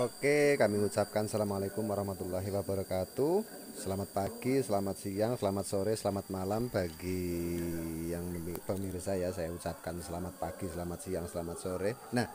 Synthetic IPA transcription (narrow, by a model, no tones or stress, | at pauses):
okekamiut͡ʃap̚kansalamalekʊmwaɾɑhmat̪ulːaɦiwab̥a̤ɾakat̪u | səlamat̪̚paɡ̥isəlamat̪̚sijaŋsəlamat̪̚soɾesəlamat̪̚malamb̥a̤ɡi | jaŋipəmiɾisajasajaut͡ʃap̚kansəlamat̪̚paɡ̥i̤səlamat̪̚sijaŋsəlamat̪̚soɾenah